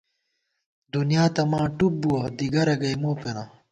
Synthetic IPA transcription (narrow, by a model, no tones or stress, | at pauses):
d̪unjaːt̪ɐmãːʈup̚buwɐd̪iɡɐɾɐɡɐjmoːpena